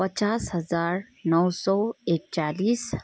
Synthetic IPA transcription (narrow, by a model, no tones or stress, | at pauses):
pət͡ɕashəzaɾ | nəwsɔek̚t͡ɕaliːs